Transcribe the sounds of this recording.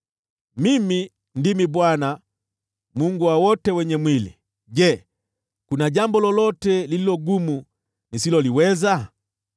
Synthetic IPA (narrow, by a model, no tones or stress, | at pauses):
mimi | ndimibwana | muŋɡuwawɔtɛwɛɲɛmwilḭ | ɟɛ | kunaɟambɔlɔlɔtɛlililɔɡumu | nisilɔliwɛza